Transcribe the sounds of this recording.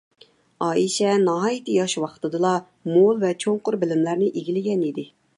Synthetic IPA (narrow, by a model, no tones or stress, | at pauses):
ɑːiʃɛnɑɦɑːjit̪ɨjɑʃwɑqʰt̪ɨd̪ɨlˠɑ | molˠvɛt͡ʃʰoɴqʊɾbɪlɪmlæɾnɪʔiɡʲilɪɡʲɛnid̪ɪ